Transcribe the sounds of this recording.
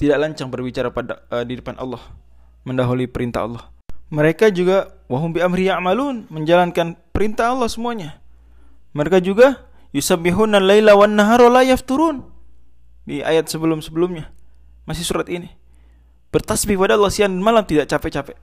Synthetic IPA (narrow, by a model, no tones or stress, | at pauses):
t̪idaʔlaɲt͡ʃaŋbərbit͡ʃaɾakpada̰ədidəpanʔɑ̰lːɔh | məndaɦulipəɾint̪a̰ɑ̰lˠːɑhməɾekad͡ʒuɡawaɦʊmbiamɾiaʕmalunməɲd͡ʒalankanpəɾint̪aɦɑlˠːɑhsəmuaɲa | məɾekad͡ʒuɡa | jusabiɦundanlailawanːaɦaɾolajaft̪uɾun | diʔa̰jat̪̚səbəlʊmsəbəlʊmɲa | masɪhsuɾat̪ini | b̥ərt̪asbikəpadaɑlːɑhsiandanmalamt̪idaʔt͡ʃapɛt͡ʃapɛ